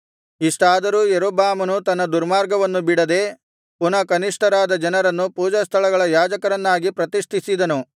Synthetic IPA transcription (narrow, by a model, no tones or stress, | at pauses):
iʂʈaːd̪ɐɾuːjeɾoːbaːmɐnut̪ɐnːɐd̪uɾmaːɾɡɐʋɐnːubiɽɐd̪e̞ː | punɐkɐniʂʈʰɐɾaːd̪ɐd͡ʒɐnɐɾɐnːupuːd͡ʒɐst̪ʰɐɭɐɡɐɭɐjaːd͡ʒɐkɐɾɐnːaːɡipɾɐt̪iʂʈ̪ʰisid̪ɐnu